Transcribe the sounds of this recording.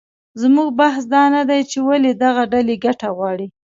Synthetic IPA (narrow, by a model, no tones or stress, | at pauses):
zmuɡ̚bahsd̪ɑnad̪ajt͡ʃewaled̪aɣaɖaleɡaʈaɣwɑɽi